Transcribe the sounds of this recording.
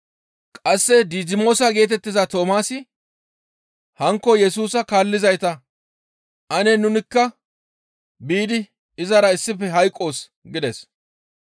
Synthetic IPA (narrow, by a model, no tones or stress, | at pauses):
kʼɐsːɛd̪iːd͡ʒɪmo̞ːsɐɡe̞ːt̪̬ɛt̪ːɪzɐt̪o̞ːmaːsɪ | hɐŋkːɔjɛsuːsɐkaːlːɪzɐjt̪ɐ | ʔɐnɛnʊnɪkːɐ | biːd̪ɪ | ɪzɐɾɐɪsːɪfɛɦɐjkʼːo̞ːs | ɡɪd̪ɛs